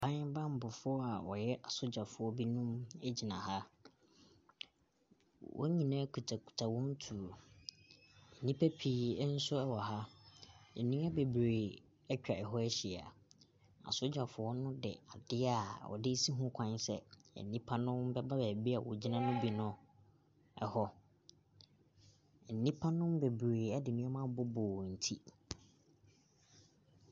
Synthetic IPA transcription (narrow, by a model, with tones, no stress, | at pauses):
pʰã˦ɲ˦bã˦m̩˦˨bʊ˨fʊ˦ɔ˦a˨wɔ̰˨jɛ˦ʔa˨sʊ˦d͡ʑa˨fʊ˨ɔ˦bi˦nũ˦mɛ˦d͡ʑi˨nã˨ha˦ | wɔ̰˦ɲĩ˨nã˦kʰu˨tʰa˨kʰu̥˨tʰa˨wɔ̃˦n˦tʰu˨ɾo˨ | nĩ˦pʰæ˦pʰiː˨˦n̩˦sʊ˦ɛ˦wɔ˨ɦa˦ | ɛ̰˨nĩ˦a˦be˨bɾe˨ | ɛ˦t͡ɕᶣa˨ɛ˨ɦɔ˦ɛ˦ɕi˨a̰˨ | a̰˨sʊ˦d͡ʑᶣa˨fʊ˨ɔ˦nʊ̃˦dɛ̰˨a˨dɪ˦a˨wɔ̰˨dɪ˦si˦ɦũ˦kʷʰã˦n˦sɛ̰˦ɛ̰˨nːĩ˦pʰa˦nʊ̃˦mbɛ˦ba˦bɛ˨bi˦a˨wɔ̰˨d͡ʑi˦nã˦nʊ̃˦bi˨nʊ̃˨ | ɛ˨hɔ˦˨ | nĩ˦pʰa˦nʊ̃˦mbe˨bɾe˨ɛ˦dɪ˨nʊ̃˦ɛ˦mã˦bʊ˦bʊː˨n̩˨tʰi˦